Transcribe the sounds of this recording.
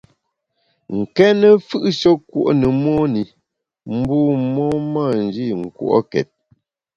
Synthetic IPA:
ŋ̩˨kɛ˦nə˦fɨ˦ʔʃɔ˦kwo̰˦ʔnə˨mɔ˦ni˨ | m̩˦buː˦mɔ˦ma˦˨n̩˨d͡ʒi˦˨ŋ̩˨kwṵ˦ʔɔ̰˦kɛ̰˨t̚

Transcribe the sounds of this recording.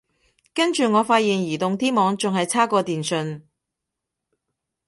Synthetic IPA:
kɐ˥nt͡ʃyː˨ŋɔː˨˧faː˧t̚jiː˨˩njiː˨˩t̪ʊ˨ŋt̪iː˥mɔː˨˧ŋt͡sʊ˨ŋhɐ˨jt͡sʰaː˥kɔː˧t̪iː˨nsɵ˧n

